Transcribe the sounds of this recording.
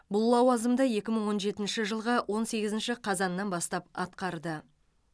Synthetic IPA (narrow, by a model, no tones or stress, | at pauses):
bʊlˠːɑwɑzəmd̪əje̞kʲɪməɴwo̞nʒe̞t̪ɪnʃɪʒəlˠʁəwʔo̞nse̞ɡʲɪzɪnʃɪqʰɑzɑnːɑnbɑst̪ɑp̚ɑt̪qɑɾd̪ə